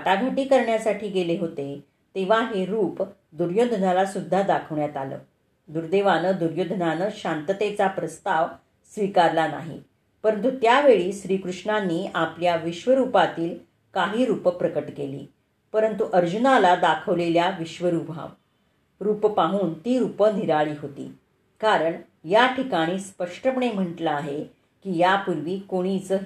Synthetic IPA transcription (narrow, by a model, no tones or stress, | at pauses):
aʈaɡʱəʈiːkəɾɳjasaʈʰiːɡeleɦot̪e | t̪eʋ̤aɦeɾuːp | d̪uɾjod̪ʱnalasud̪ʱːad̪akʰəʋɳjat̪alə̰ː | d̪uɾd̪eʋanəd̪uɾjod̪ʱnanəɕant̪ət̪et͡sapɾəst̪aʋ | sʋikaɾlana̰ɦḭ | pəɾənt̪ut̪jaʋeɭiːɕɾiːkɾuʂɳanːiːapljaʋiɕʋəɾupat̪iːl | kaɦiːɾupəpɾəkəʈkelḭː | pəɾənt̪uʔəɾd͡ʑunalad̪akʰəʋleljaʋiɕʋəɾubʱa̰ | ɾuːpəpaɦuːnt̪iːɾupəniɾaɭiːɦot̪ḭː | kaɾəɳ | jaʈʰikaɽ̃iːspəʂʈəpəɳem̤əɳʈlaaɦe | kiːjapuɾʋiːkoɽ̃it͡sə